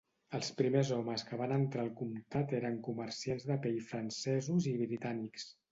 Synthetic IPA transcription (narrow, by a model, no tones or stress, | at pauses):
əlˠspɾimezɔməskəβanənt̪ɾalˠkumt̪at̪eɾəŋkumərsianzðəpejfɾənsɛzuziβɾit̪aniks